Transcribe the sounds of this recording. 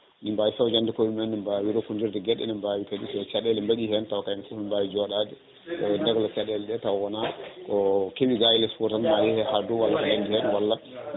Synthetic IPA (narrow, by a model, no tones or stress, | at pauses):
nimbawisawd͡ʒandikowimɛnːɛmbawiɾokundiɾdɛɡɛɗːɛ̰nimbawikadisɔt͡ʃaɗɛlɛmbaɗihɛntawakajnifufmimbawid͡ʒɔɗadɛ | kɔɛndɛɡlɔt͡ʃaɗɛlɛɗɛtawawɔnakɔkewiɡajilɛspɔɾtalmajɛhɛhaduwalːanandihɛnwalːa